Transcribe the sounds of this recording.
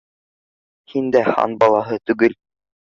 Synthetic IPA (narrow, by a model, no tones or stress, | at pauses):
hind̪æhɑ̰nbɑlˠɑɦɤt̪ʉ̆ɡɘl